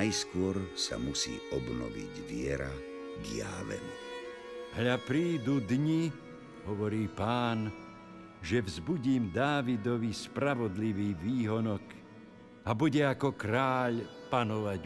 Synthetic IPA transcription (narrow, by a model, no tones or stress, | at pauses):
jskʊɔɾsa̰musḭːɔbnɔ̰ʋḭɟʋɪɛɾa | dɪja̰ːʋɛ̰n | ɦʎapɾiːd̪ud̪ɲi | ɦɔʋɔɾiːpaːn | ʒɛvzbuɟiːmd̪aːʋid̪ɔʋispɾaʋɔd̪liʋiːʋiːɦɔnɔk | abuɟɛakɔkɾaːʎpanɔʋaɟ